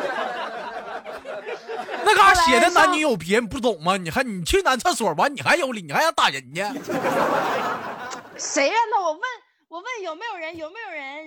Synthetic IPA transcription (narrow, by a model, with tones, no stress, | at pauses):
na˥˩ɡə˨a˧˥ɕjɛ˨˩d̪ə˧na˧˥nni˧˥jo˨˩ʊpi˨˧ɛ˥˧p̬u˥˩t̪̬ʊ˨˩˦ŋmɐ˧˩ni˨˩xa˧˥ni˨˩t͡ɕʰi˥na˧˥nt͡sʰa˥nswɔ˨˩wa˧˥ni˨˩xa˧˥ɪjo˧˥li˨˩ni˨˩xa˧˥jo˧˥t̪a˥˩ɻə˧˥n˨˩ɛ˥ | ʂe˧˥ɪɐ˧na˥˩˨wɔ˨˩wə˥˩n | wɔ˨˩wə˥˩njo˨˩ʊme˧˥ɪjo˨˩ʊɻə˧˥njo˨˩ʊme˧˥ɪjo˨˩ʊɻə˧˥n